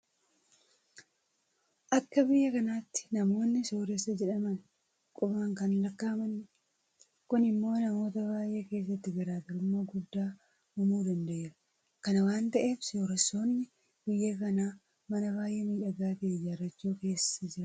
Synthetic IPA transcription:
ʔɐkːɐbɪjːɐkɐnaːt̪ːɪ̥nɐmo̞ːnːɪsoːɾɛsːɐd͡ʒɛᶑɐmɐn | kʼʊbaːŋkɐnlɐkːaːmɐnɪ | kʊnɪmːo̞ːnɐmo̞ːt̪ɐβaːjʔeːke̞ːs̬ːɐt̪ːɪɡɐɾaːt̪ɪɾʊmːo̞ːɡʊd̪ːaː | ʊmuːd̪ɐnd̪ɐʔeːɾɐ̥ | kɐnɐwaːnt̪ɐʔe̞ːfsoːɾɛsːo̞ːnːɪ | bɪjːɐkɐnaː | mɐnɐβaːjʔeːmiːʔɐɡaːt̪ejɐrːɐt͡ʃːuːke̞ːsɐd͡ʒɪɾɐ

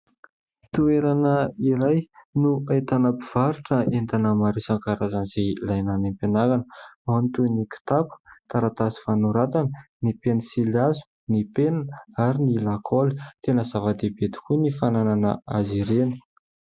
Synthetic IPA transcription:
t̪ueɾanəiɾajnuat̪anəpiv̥aɾuʈ͡ʂəent̪anəmaɾisaŋkaɾazanz̥elajnanempenaɾanəmant̪uniki̥t̪apu̥t̪aɾat̪asi̥fanuɾat̪anənipenisiliazu̥ | nipenanaɾinilakʰolit̪enəzavad̪ebet̪i̥kunifanananə̰aziɾeni̥

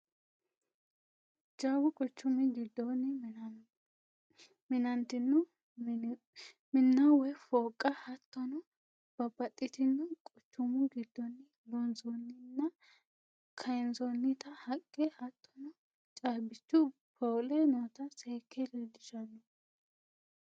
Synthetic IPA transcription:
d͡ʒaːwʊkʼɔt͡ʃːʊmɪɡɪd̪ːɔnɪ | mɪnɐnt̪ɪnːʊ | mɪnːɐwɛfoːkʼːɐhɐt̪ːɔnɔ | b̥ɐbɐt̪ʼːɪt̪ɪnːɐkʼɔt͡ʃːʊmʊɡɪd̪ːɔnːɪ | bɔnzɔnːɪnːɐ | kʰɐjnzɔnːɪt̪ɐhɐkʼːɛhɐt̪ʰːɔnɔ | t͡ʃʼaːbɪt͡ʃːʊ | pʰoːlɛnoːt̪ɐseːkʰːɛlɛd̪ɪʃɐnːʊ

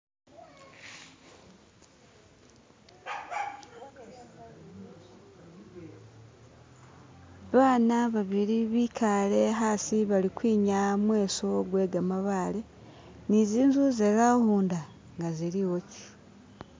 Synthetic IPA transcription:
βaːnaβaβiɾiβiːkʰale̞ɦaːsiβalikwiːɲamwe̞ːso̞ɡwe̞ːɡamaβaːle̞ | niziːnzuzeɣahuːnda | ŋɡaziɾiɣoci̥

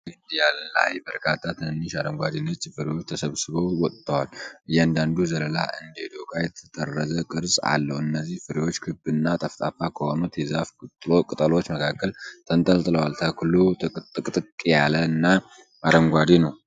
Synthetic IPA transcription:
ɨnd̪ijalla̰jbəɾkʰat̪ʰːat̪ʰɨnɨnːɨʃaɾəŋɡʷad̪inɨt͡ʃːfɨɾewo̞t͡ʃːt̪ʰəsəβsɨβəwwɔt̪ʼt̪ʰːəwalɨjɛand̪and̪uzələla̰ʔɨnd̪ed̪okʼajɛt̪ʰə̥t̪ʼərːəzəkʼɨɾsʼa̰lːəhuɨnːəzːihfɨɾewo̞t͡ʃːkʰɨbɨnːat̪ʼəft̪ʼafakʰəhonut̪jɛzafkt̪ʼlokʼɨt̪ʼəlo̞t͡ʃːməkʰakːəlt̪ʰənt̪ʼəlt̪ʼɨləwalt̪ʰəklut̪ʼɨkʼt̪ʼɨkʼːejaləɨnːa | ʔaɾəŋɡʷad̪inəw

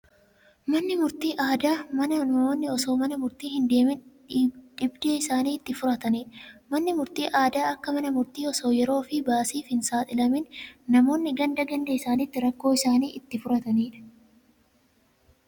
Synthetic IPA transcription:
mɐnːɪmʊɾt̪iːʔaːd̪aːmɐnɐnɐmo̞ːnːɪɔso̞ːmɐnɐmʊɾt̪iːhɪnd̪e̞ːmɪn | ᶑɪbd̪e̞ːɪsaːniːɪt̪ːɪfʊɾɐt̪ɐniːᶑɐ̥mɐnːɪmʊɾt̪iːʔaːd̪aːɐkːɐmɐnɐmʊɾt̪iːɔso̞ːjɛɾo̞ːfɪbaːsiːfhɪnsaːt̪ʼɪlɐmɪnːɐmo̞ːnːɪɡɐnd̪ɐɡɐnd̪ɐɪsaːnɪt̪ːɪɾɐkːo̞ːɪsaːniːʔɪt̪ːɪfʊɾɐt̪ɐniːᶑɐ̥

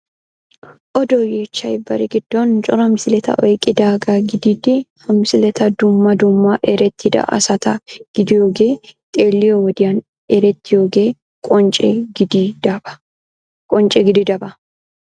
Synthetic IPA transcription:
ʔɔd̪ojeːt͡ʃːɐjbɐ̰ɾɪɡɪd̪̥ːɔnt͡ʃʼɔɾɐmɪsɪlɛt̪ɐ̰ʔɔjkʼɪd̪aːɡɐɡɪd̪ɪd̪ɪhɐmɪsɪlɛt̪ɐd̪ʊmːɐd̪ʊmːɐʔɛɾɛt̪ːɪd̪ɐ̰ʔɐ̰sɐt̪ɐɡ̥ɪd̪ɪjoːɡeːt̪ʼe̞ːlːɪjɔwɔd̪ɪjɐn | ɛɾɛt̪ːɪjoːɡeː | kʼɔt͡ʃʼɛɡd̪ɐbɐ | kʼɔnt͡ʃʼɛɡɪd̪ɪd̪ɐbɐ

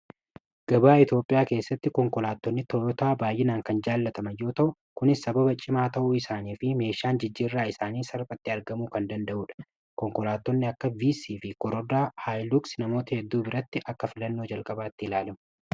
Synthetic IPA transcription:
ɡ̥ɐbaːɪt̪jo̞ːpʼɪjaːke̞ːsːɐt̪ːɪkɔŋkɔlaːt̪ːɔnːɪt̪ɔjɔt̪aːbaːjʔɪnaːŋkɐnd͡ʒaːlːɐt̪ɐmɐjo̞ːt̪ɐʔʊ | kʊnɪsːɐbɐbɐt͡ʃʼɪmaːt̪ɐʔuɪsaːniːfɪme̞ːʃːaːnd͡ʒɪd͡ʒːiːrːaːɪsaːniːsɐɾpʼɐt̪ːɪɐɾɡɐmuːkɐnd̪ɐnd̪ɐʔuːᶑɐ̥ | kɔŋkɔlaːt̪ːɔnːɪɐkːɐviːsiːfɪkɔɾɔd̪aːhaːjluksnɐmo̞ːt̪ɐhɛd̪ːuːbɪɾɐt̪ːɪʔɐkːɐfɪlɐnːo̞ːd͡ʒɐlkʼɐbaːt̪ːɪɪlaːlɛmʊ

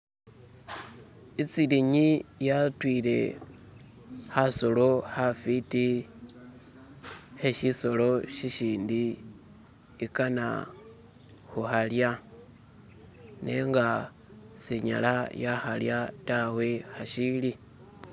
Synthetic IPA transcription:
it͡siliɲijatwile̞̰ | haso̞lo̞hafiti | heʃiso̞lo̞ʃiʃiːndi | kana̰ | xuxalja | nḛŋɡa | seɲa̰lajaxaljatawe̞haʃili

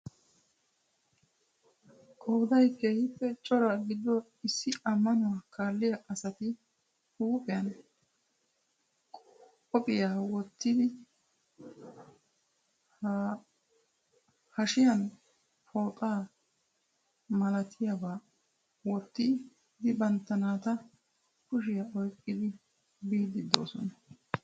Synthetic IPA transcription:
kʼoːd̪ɐjke̞ːhɪpːɛt͡ʃʼːɔɾɐɡɪd̪ːɔ | ɪsːɪɐmːɐnʊwaːkʰaːlːɪjaʔɐsɐt̪ɪ | huːpʼɪjɐn | kʼ | ɔpʼɪjaːwɔt̪ːɪd̪ɪ | h | hɐʃɪjɐn | fo̞ːt̪ʼaː | mɐlɐt̪ʰɪjabaː | wɔt̪ːɪ | d̪ɪbɐnt̪ːɐnaːt̪ɐ | kʊʃ̬ɪjɐɔjkʼːɪd̪ɪ | biːd̪ɪd̪ːo̞̰ːsɔnɐ

